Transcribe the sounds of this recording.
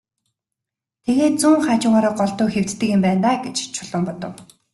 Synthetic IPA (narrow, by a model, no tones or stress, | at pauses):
t̪ʰeɣeːt̪̚t͡suŋχaːt͡ɕuːŋaːɾaːɢɔɮt̪ʊːxew̥t͡s̪t̪ːɘ̆kɪ̆mpæːnt̪aːɡet͡ɕt͡ɕʰʊɮ̥ə̆mpɔt̪ɞ̆w